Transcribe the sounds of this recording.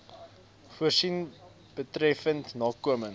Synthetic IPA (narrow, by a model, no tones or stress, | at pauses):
fuərsin | b̥ətrɛfəntnɑːkuəməŋ